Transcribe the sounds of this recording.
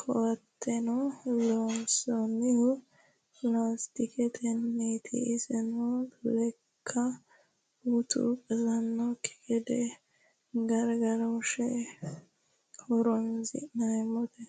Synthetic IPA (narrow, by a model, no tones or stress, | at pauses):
kʰɔwɐt̪ːɛnɔlonsɔnɪhʊ | plast̪ɪkɛt̪ʰɛnːet̪ʰɪ̰ʔɪsɛnɔlɛ | kʰːɐ | ut̪ʰṵkʼɐzɐnːɔkːɪ̥ɡɛd̪ɛ | ɡɐɾɡɐɾɐʊʃɛ | hɔɾɔnzɪ̰nɐjmɔt̪ɛ